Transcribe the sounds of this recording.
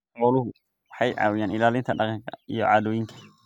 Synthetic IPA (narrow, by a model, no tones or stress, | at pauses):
qɔːlʊɦʊ | wɑħɑjʕɑ̰ːwɪjaːnɪlaːlɪnt̪ʰɐɖɑqɑŋkʰɐijɔ̰ʕɑːðɔːjɪŋkʰɐ̥